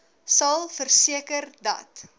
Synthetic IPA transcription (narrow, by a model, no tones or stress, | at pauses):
sɐlˠfərsiəkərdɐ̰t